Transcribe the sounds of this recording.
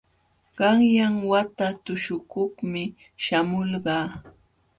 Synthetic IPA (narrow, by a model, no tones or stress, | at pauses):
ɢɑŋjaŋwat̪at̪ʊʃʊkoχmɪ | ʃamʊlɢɑː